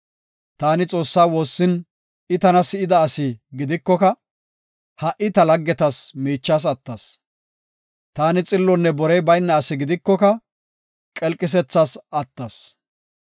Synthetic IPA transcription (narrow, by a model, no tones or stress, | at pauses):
t̪aːnɪt͡sʼo̞ːsːaːwo̞ːsːɪn | ɪt̪ɐnɐsɪɪd̪ɐːsɪɡɪd̪ɪkːɔkɐ | hɐʔɪt̪ɐlɐɡːɛt̪ɐsmiːt͡ʃːaːs̬ɐt̪ːɐs | t̪aːnɪt͡sʼɪlːɔnːɛbɔɾɛjbɐjnːɐːsɪɡɪd̪ɪkːɔkɐ | kʼɛlkʼːɪs̬ɛt͡sːasɐt̪ːɐs